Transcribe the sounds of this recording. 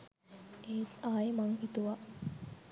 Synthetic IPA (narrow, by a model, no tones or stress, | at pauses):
eːt̪aːjemaŋhit̪uʋa